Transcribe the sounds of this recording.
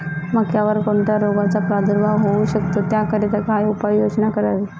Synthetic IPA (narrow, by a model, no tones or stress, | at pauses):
məɡkjaʋəɾkoɳʈjaɾoɡat͡sapɾad̪ʱəɾʋaɦouɕək̚t̪ot̪jakəɾet̪akajupajjod͡ʑnakəɾaɾe